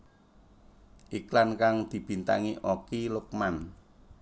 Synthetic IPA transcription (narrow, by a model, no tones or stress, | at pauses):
ʔiklankaŋd̪̥i̤b̥i̤nt̪a̰ŋiʔokilʊk̚man